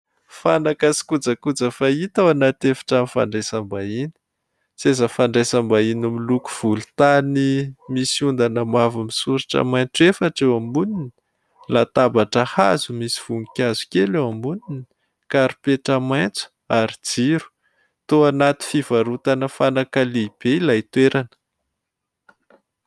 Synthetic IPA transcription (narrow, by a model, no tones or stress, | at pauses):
fanakasi̥kud͡zəkud͡zəfait̪awanat̪efi̥ʈ͡ʂamifa̰ɳɖ͡ʐesambaini̥ | sezafaɳɖ͡ʐesambainumiluku̥v̥ulut̪animisund̪anəmavamisuɾaʈ͡ʂə̰majnt͡sefaʈ͡ʂewambunini̥ | lat̪abaʈ͡ʂəhazumisi̥v̥uŋikʲazu̥kʲelewambunini | kaɾipeʈ͡ʂamajnt͡su̥ | aɾid͡ziɾu̥ | t̪oanat̪i̥fiv̥aɾut̪anəfanakaleb̥elait̪weɾanə̥